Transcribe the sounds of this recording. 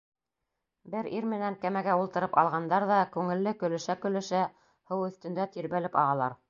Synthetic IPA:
bɘɾiɾmɘ̆næŋkæmæɡæulˠt̪ɤ̆ɾɤpɑ̰lˠʁɑnd̪ɑɾðɑkʉŋɘ̆lːɘkɵ̆lɘ̆ʃækɵ̆lɘ̆ʃæ | hɤwɵ̆θt̪ɘ̆nd̪æt̪iɾβælɘpɑ̰ʁɑlˠɑɾ

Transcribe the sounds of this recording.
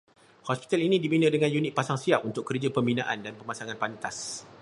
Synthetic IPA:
hɔspi̥t̪alinĩdibinə̃dəŋanjunɪt̪̚pasaŋsiap̚unt̪ʊkːərd͡ʒapəmbina̰ʔandanpəmasaŋanpant̪as

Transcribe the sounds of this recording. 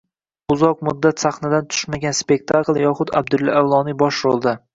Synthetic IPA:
ʊzɒq̚mʊd̪ːat̪saχnad̪ant̪ʰʊ̥ʃmaɡʲanspe̞k̚t̪ʰaklˠjɒχʊd̪a̰b̚d̪ʊlːaawlˠɒnibɒʃɾolˠd̪a

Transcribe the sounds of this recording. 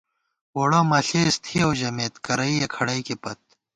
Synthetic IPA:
woːɽãːmɐɬeːst̪ʰiɐwʑɐmeːt̪kɐɾɐijekʰɐɽɐikepɐt̪̚

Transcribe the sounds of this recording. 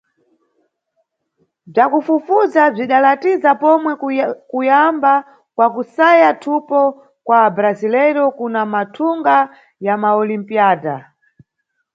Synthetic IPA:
b͡ʐakufufuzab͡ʐiɗalatizapɔmwɛkujamba | kwakusajatʰupɔ | kwaːbɾazilɛɾɔkunamatʰuŋɡa | jamaɔlimpiaːda

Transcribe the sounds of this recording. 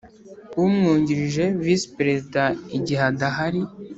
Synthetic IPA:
umŋuːɲɟiɾiʒe̞vispɾezidaiɟiɦadaɦaɾi

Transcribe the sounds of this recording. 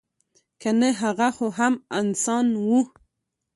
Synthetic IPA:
kaneɦaɣaxoɦamansɑnwu

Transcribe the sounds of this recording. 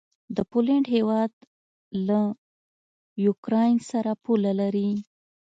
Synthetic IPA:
d̪əpoleɳɖɦewɑd̪ | la | jukɾɑjnsaɾapulalaɾi

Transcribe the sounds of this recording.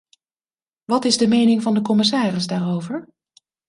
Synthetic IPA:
ʋɑtɪzdəmejnɪŋvɑndəkɔmɪs̬aːrɪzdaːɹowvəɹ

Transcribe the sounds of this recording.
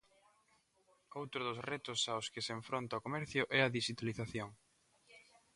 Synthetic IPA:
owt̪ɾʊðʊzrɛt̪ʊsaʊskɪseɱfɾont̪aokomɛɾθjʊʔɛɐðiʃit̪aliθaθjoŋ

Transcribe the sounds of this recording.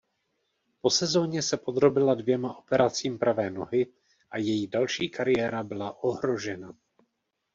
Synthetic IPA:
po̞sɛzo̞ːɲɛsɛpo̞d̪ɾo̞bɪladvjɛmaʔo̞pɛɾat͡siːmpɾavɛːno̞ɦɪ | ʔajɛjidalʃiːkaɾɪjɛːɾabɪlaʔo̞ɦɾo̞ʒɛna

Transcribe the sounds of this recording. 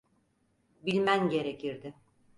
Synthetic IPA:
bilʲmænɟe̞ɾecʰiɾd̪ɪ

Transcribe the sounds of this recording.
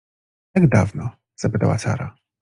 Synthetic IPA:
t̪aɡd̪avnɔ | z̥apɘt̪a̰wa̰sa̰ɾa

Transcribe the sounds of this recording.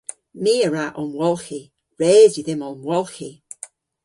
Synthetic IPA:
miːəɹaʔɔnwɔlˠxi | ɹeːziðɪmɔnwɔlˠxi

